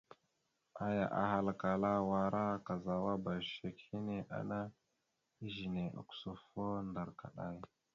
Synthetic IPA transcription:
a˨ja̰˨ʔa̰˨ha˨lka˨la˦wa˨ɾa˦ka˨za˨wa˦ba˨ʃe˨khi˦ne˦ʔa̰˨na˦ | i˦ʒi˨ne˨ʔa̰˨ku̥˨˦so˨fo˦nda˨ɾka̰˨ɗa˦j

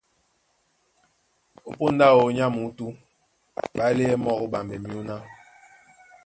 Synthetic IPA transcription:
o˨po˦n˦da˦˨o˨˦ɲa˦mu˨˦tu˦ | ɓa˦le˦ɛ˦mɔ˦ko˦ɓa˨mbɛ˨mi˦u˦na˦

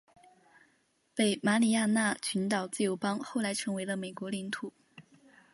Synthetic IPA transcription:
pe˥˩ɪma˧˥li˨˩ja˥˧na˥˩t͡ɕʰy˧˥nt̪ɑ˨˩ʊt͡sɹ̩˥˩jo˧˥ʊpɑ˥ŋxo˥˩ʊla˧˥ɪʈ͡ʂʰɤ˧˥ŋwe˧˥ɪlə˧me˨˩ɪkwɔ˧˥li˧˥nt̪ʰu˨˩˦

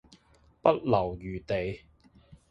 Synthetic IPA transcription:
pɐ˥t̚lɐ˨˩wjyː˨t̪e˨j

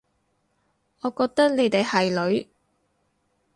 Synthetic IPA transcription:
ŋɔː˨˧kɔː˧k̚t̪ɐ˥k̚ne˨˧jt̪e˨jhɐ˨jlɵ˨˧ɥ

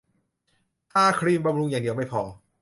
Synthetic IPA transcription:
t̪ʰaː˥˩kʰɾiː˧mba˧mɾu˧ŋjaː˨˩ŋdi˧˩əwma˥˩jpʰɔː˧˩

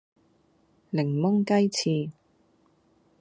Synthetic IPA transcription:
lɪ˨˩ŋmʊ˥ŋkɐ˥jt͡sʰiː˧

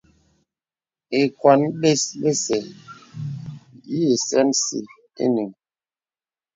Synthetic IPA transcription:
e˨kwa˨˦nɓe˦sɓe˦sɛ˨ | ji˦e˨sɛ˦nsḭ˨ | ḛ˦ni˨ŋ

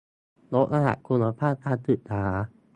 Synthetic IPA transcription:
lo˦˥k̚ʔa˧ɦa̰˨˩ʔ̪̚kʰu˧na˧pʰaː˥˩t̪ʰaː˧˩t̪ɯ˨˩t̪ʰaː˩˦

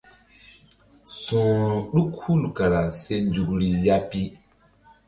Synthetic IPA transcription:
sũː˨ɾu˨ɗu˦khu˦˨lka˨ɾa˨se˦nd͡ʒu˨kɾi˨ja˦pi˦

